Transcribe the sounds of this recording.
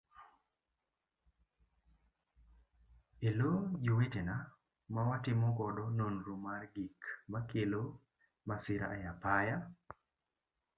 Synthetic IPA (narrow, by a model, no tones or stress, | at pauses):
elod͡ʒuwetena | mawatɪmɔkɔdɔnonɾumarɡikmakelo | masɪɾa̰ːjapaja